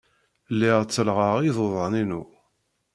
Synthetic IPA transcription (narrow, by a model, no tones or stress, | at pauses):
lːɪʁt͡sːəlʁəʁiðˤoðˤəninu